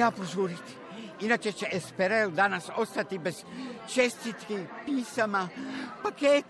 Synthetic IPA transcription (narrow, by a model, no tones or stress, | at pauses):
apozuːɾit̪i̥ | inat͡ʃet͡ʃeʔespeɾaod̪anasost̪at̪ibez̥t͡ʃest̪it̪kipiːsamapaket̪